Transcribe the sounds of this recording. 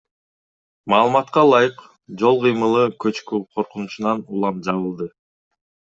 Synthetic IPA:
mɑːlˠɯmɑt̪qɑlˠɑjɯq | d͡ʒo̞lˠqɯjmɯlˠɯkø̞t͡ʃkyqʰo̞ɾqunut͡ʃunɑnulˠɑmd͡ʒɑβɯlˠd̪ɯ

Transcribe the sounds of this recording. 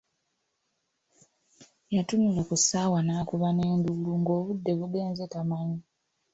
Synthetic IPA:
jatunulakusaːwanaːkuβane̞ːnduluŋɡo̞ːβudːe̞βuɡe̞ːnzetamaɲi

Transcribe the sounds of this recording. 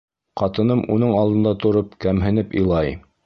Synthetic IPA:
qɑt̪ɤ̆nɤmʔṵnɤɴɑlˠd̪ɤ̆nd̪ɑt̪ŏɾɤp̚kæmɦɘ̆nɘpḭ̆jlˠɑj

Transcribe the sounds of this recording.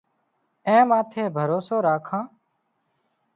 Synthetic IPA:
ẽːmãːt̪ʰeːbʱəɾoːsoːɾaːkʰãː

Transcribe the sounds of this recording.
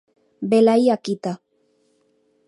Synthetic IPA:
belajakit̪a

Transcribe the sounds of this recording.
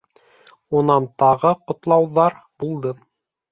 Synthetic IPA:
unɑnt̪ɑʁɤqŏt̪lˠɑwðɑɾ | b̥ulˠd̪ɤ

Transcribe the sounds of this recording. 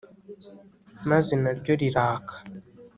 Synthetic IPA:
maze̞naɾɟo̞ɾiɾaːkʰḁ

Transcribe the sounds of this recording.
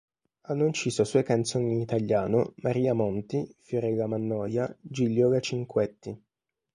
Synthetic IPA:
anːoint͡ʃiːsoasɔjkant̪soːniiːnit̪aʎːjaːnomaɾiːamɔnt̪ifoɾɛlːamanːɔːjad͡ʒilːjɔlat͡ʃiŋkwɛt̪ːi

